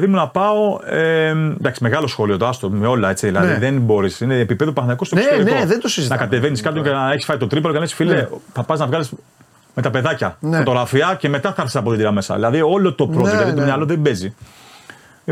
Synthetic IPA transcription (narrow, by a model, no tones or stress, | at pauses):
ðimunɐpɐo̞end̪ɐksime̞ɣɐlosxo̞lio̞t̪oɐst̪omeo̞lɐe̞t͡siðilɐðiðenbo̞ɾisineːpipe̞ðupɐθnɐikost̪oseðent̪osiztnɐkɐt̪e̞veniskɐt̪oenɐeçisfɐit̪o̞t̪ɾipɐloenɐesfileθɐpɐznɐvɣɐlis | me̞t̪ɐpe̞ðɐcɐnot̪oɾɐfiɐce̞me̞t̪ɐθɐɐɾθsi̥sɐpot̪id̪iɾɐme̞sɐ̰ðilɐðio̞lo̞t̪o̞pɾoʝɐðit̪oneɐloðebe̞zi